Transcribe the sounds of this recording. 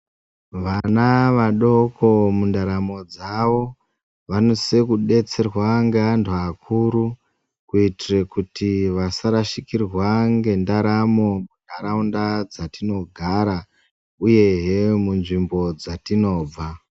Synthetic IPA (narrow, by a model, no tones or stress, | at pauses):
ʋanaʋaɗo̞ko̞mundaɾamo̞d͡zaʋo̞ | ʋano̞se̞kuɗe̞t͡se̞rwaŋɡeandʰakʰuɾu | kuitirekutiʋasaɾaʃikirwaŋɡe̞ndaɾamo̞mundaɾaundad͡zatino̞ɡʱaɾa | uje̞ɦemunʐimbo̞d͡zatino̞ːb͡va